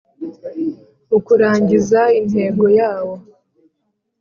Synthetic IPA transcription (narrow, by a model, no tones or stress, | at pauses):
ukuɾaːɲɟizain̥he̞ːɡo̞jaːwo̞